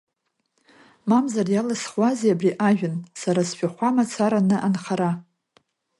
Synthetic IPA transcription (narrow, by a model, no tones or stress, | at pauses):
mamzarjalasχwʷazeabriʔaʒᶣʊnsaɾasʃᶣaχʷamat͡sʰaɾanɨʔanχaɾa